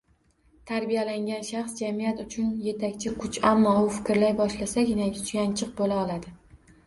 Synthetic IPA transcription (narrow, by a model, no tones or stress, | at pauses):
t̪ʰaɾbijalaŋɡʲanʃaχsd͡ʒamijat̪ʊt͡ʃʰʊnje̞t̪ʰakʲt͡ʃʰɪkʰʊt͡ʃamːɒʊfɪ̥kʲɾlajbɒʃlasaɡʲɪnaʊ̥t͡ʃjʲant͡ʃʰɨq̚bolaɒlad̪ɪ